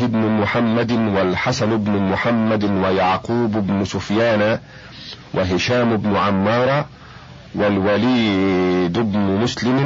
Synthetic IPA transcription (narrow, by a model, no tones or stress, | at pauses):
ɪbnʊmʊħamːad̪walħasanʊbnʊmʊħamːad̪wajaʕquːbʊbnʊsʊfjaːna | wʔɪɦɪʃaːmʊbnʊʕamːɑːɾˤɑ | walwaliːd̪ʊbnʊmʊslɪm